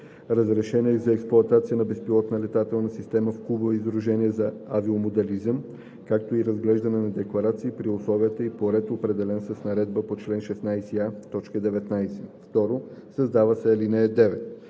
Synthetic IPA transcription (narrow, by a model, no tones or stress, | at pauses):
ɾəzɾɛʃɛniɛzɐɛksplˠʊɐt̪at̪sijənɐbɛspilˠɔt̪nəlɛt̪at̪ɛlˠnəsist̪ɛməfkubəvizd̪ɾuʒɛniəzɐaviomod̪ɛlizəm | kak̚t̪oiɾɐzɡlɛʒd̪ɐnɛnɐd̪ɛklˠɐɾat̪siːpɾiʊslˠɔviət̪əipoɾɛt̪opɾɛd̪ɛlɛnsəsnɐɾɛd̪̚bəpot͡ʃlɛnʃɛsnajsiat̪ɔt͡ʃkəd̪ɛvɛt̪najsɛ̥ft̪ɔɾosɐzd̪avəsɛlinɛɛd̪ɛvɛt̪